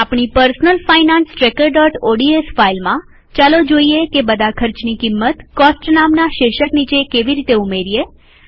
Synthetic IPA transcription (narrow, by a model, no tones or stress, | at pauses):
apɳ̃ipəɾsnəlfainãnsʈɾekəɾɖɔʈoɖiesfailmã | t͡ʃalod͡ʒoiekebəd̪ʱakʰəɾt͡ʃnikimːət̪kɔsʈnamnaʃeʃəknit͡ʃekeʋiɾit̪eumeɾie